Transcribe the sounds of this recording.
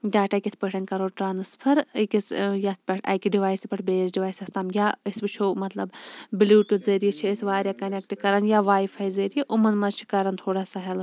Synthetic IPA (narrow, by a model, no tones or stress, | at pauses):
ɡaːʈakʲit̪ʰpʲəʈʰɐnkɐɾoːʈɾaːnɨspʰɐɾkʲisjɐt̪ʰpʲɐʈʰɐ̰kʲiɖiʋaːjsipʰɐʈʰbeːsɖiʋaːjsʲɐst̪aːmjaːəsbɨt͡ʃʰoːmɐt̪lɐbbiluːʈuzɐːɾijit͡ʃʰiəsʋaːɾʲjaːkɐnek̚ʈikɐɾɐnjaʋaːjfʰɐjzeːɾjiʔumɐnmɐt͡ʃʰi̥kɐɾɐnt̪ʰoːɽaːsaːɦɐl